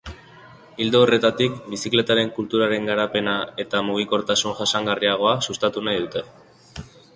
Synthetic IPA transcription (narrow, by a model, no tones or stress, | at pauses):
ild̪oore̞t̪at̪ikbisikle̞t̪aɾe̞ŋkult̪uɾaɾe̞ŋɡaɾape̞nae̞t̪amuɣ̞iko̞ɾt̪asunʝasaŋɡariaɣ̞o̞asust̪at̪unajðut̪e̞